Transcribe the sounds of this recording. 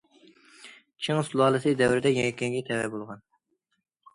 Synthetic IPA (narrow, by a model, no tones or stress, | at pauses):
t͡ʃʰɨŋsulˠɑːlˠɨsɨd̪ɛwɾɪd̪ɛjɛŋɛkʲʰːeŋɡʲɛt̪ʰɛwɛ̰bolˠʁɑn